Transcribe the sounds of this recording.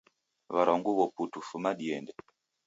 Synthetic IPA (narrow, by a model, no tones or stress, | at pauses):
βaɾɔŋɡuβɔputufumaɗiɛndɛ